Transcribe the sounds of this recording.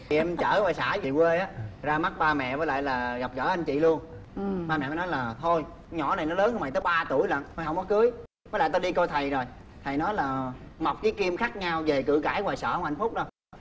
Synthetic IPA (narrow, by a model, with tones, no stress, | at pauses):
t̪ʰi˨˩ʔɛ˧mt͡ɕəː˧˩vaː˨˩jsa̰ː˧˩vi˨˩kwe˧ʔaː˨˦zaː˧ma˦˥t̚ɓaː˧mɛ̰˧˨vəː˨˦jla̰ː˧˨jlaː˨˩ɣa˨˩p̚ɣə̰ː˧˩˦ʔa˧ŋ̟t͡ɕḭ˧˨lu˧ən | ɓaː˧mɛ̰ː˧˨˧nɔ˨˦jlaː˨˩t̪ʰo˧j | ɲɔ̰˧˩na˨˩jnɔ˨˦ləː˨˦nhə˧wma˨˩t̪əː˨˦jɓaː˧t̪u˧˩əjlə̰˧˨nt̪ʰo˧˩jɦə˧wŋ͡mnɔ˨˦kɨ˨˦əj | ə˨˦la̰ː˧˨jt̪a˧ɗi˧ko˧jt̪ʰə˨˩jzo˨˩jt̪ʰə˨˩jnɔ˨˦jlaː˨˩ma˨˩wk͡p̚kiː˨˦jki˧əmxaː˦˥k̚ɲa˧wve˨˩kɨ̰˧˨kaː˧˩˦jwaː˨˩jsə̰ː˧˩hə˧wŋ͡mha̰˧˨jŋ̟fʊ˦˥k͡p̚ɗo˧˩j